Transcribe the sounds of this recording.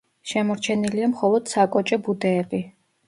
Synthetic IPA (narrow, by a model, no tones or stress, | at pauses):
ʃɛmɔɾt͡ʃʰɛniliamχɔlˠɔd̪̥sakʼɔt͡ʃʼɔbud̪ɛːbi